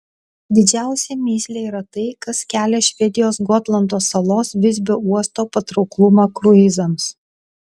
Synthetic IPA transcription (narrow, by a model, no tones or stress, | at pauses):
d̪ʲɪd͡ʒʲæˑʊsʲɛmʲiːsʲlʲeiːɾɐt̪ɐɪkɐskʲæːlʲɛʃʲʋʲɛd̪ʲɪjoːsɡoɔt̪lˠɐnd̪oːsɐlˠoːsʋʲɪzʲbʲouɔst̪oːpɐt̪ɾɒʊklˠʊmɑkɾʊɪzɐms